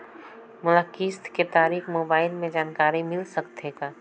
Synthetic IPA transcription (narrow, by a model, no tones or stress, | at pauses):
mʊləkiːst̪ʰket̪aːɾiːxmoːbaːɪlmẽd͡ʒaːnkaːɾimɪlsəkt̪eɡaː